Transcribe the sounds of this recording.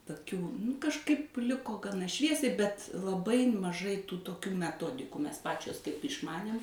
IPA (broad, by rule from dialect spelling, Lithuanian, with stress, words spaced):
toːˈkʲuː nʊ kɐʃˈkɐɪp ˈlʲɪkoː ɡɐˈnɐ ˈʃʲʋʲiɛsʲɛɪ bʲɛt lˠɐˈbɐɪ mɐˈʒɐɪ tuː toːˈkʲuː mʲɛˈtoːdʲɪkuː ˈmʲɛs ˈpɑːt͡ʃʲoːs kɐɪp ɪʃˈmɑːnʲeːm